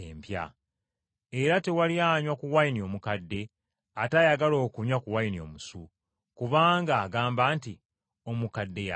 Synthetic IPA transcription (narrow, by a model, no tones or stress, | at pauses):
empja̰ | e̞ɾate̞waliaɲwakuwainio̞ːmukadːe̞ | atajaɡalo̞ːkumɲakuwainio̞̰musu | kuβaːŋɡaːɡaːmbaːnti | o̞mukadːe̞ja